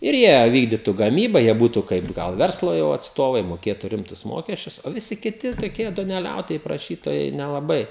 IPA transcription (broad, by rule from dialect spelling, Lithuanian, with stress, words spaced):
ɪr ˈjiɛ ˈʋʲiːɡdʲiːtʊ ɡɐˈmʲiːbɐ ˈjiɛ ˈbuːtʊ ˈkɐɪp ˈɡɐlˠ ˈʋʲɛrslˠoː jɛʊ ɐtsˈtoːʋɐɪ moːˈkʲeːtʊ ˈrʲɪmtʊs ˈmoːkʲɛsʲt͡ʃʲʊs oː ʋʲɪˈsʲɪ kʲɪˈtʲɪ toːˈkʲiɛ duɔnʲɛˈlʲɛʊtoːjɛɪ prɐˈʃʲiːtoːjɛɪ nʲɛlˠɐˈbɐɪ